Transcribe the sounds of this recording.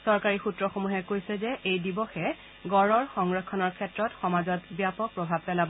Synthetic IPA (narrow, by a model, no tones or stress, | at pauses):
sɔɹkaɹixutɹɔxomuɦɛkojsɛzɛʔejdibɔxɛ | ɡɔɹɔɹxɔŋɹɔkʰːɔnɔɹkʰɛtɹɔtxɔmazɔtbjapɔk̚pɹɔbʱab̚pɛlabɔ